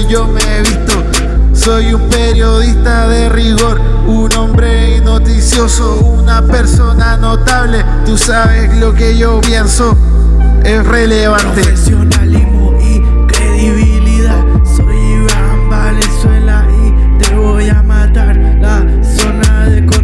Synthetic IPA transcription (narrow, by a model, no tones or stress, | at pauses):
ʝo̞meeβist̪o̞ | so̞jumpe̞ɾjo̞ðist̪aðe̞riɣo̞ɾ | unõ̞mbɾe̞ino̞t̪isjo̞sounape̞ɾso̞nano̞t̪aβle̞ | t̪usaβe̞slo̞ke̞ʝopje̞nso̞ | e̞sre̞leβant̪e̞sjonalismoi | kɾeðiβiliðað | sojiβ | mbalenswe̞la | i | t̪eβo̞jamat̪aɾ | la | so̞naðeko